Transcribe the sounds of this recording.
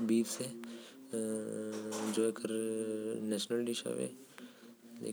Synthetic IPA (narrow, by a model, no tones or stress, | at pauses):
biːʋse | d͡ʒoːekəɾ | nɛːʃnəlɖiʃa̰ʋḛ | ḛː